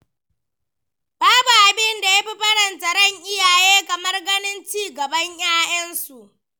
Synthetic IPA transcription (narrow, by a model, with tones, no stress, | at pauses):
baː˦bu˨ʔa˨bɪ˦nda˨ja˦ɸi˦ɸɐ˦ɽɐ˨ntɐ˨ɾɐ˦ɲʔɪ˦jaː˨jeː˦kɐ˨mɐ˦rɡɐ˦nɪ˦nt͡ʃiː˦ɡɐ˨bɐ˦ɲjaː˦jʔɐ˦nsu˨ʔ